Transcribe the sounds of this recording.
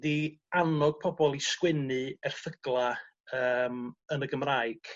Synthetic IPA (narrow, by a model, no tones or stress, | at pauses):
dianɔɡ̥̚pʰɔbɔlˠiskwɪnɨɛrθəɡ̥lˠa | əːmənəɡəmraɨɡ̥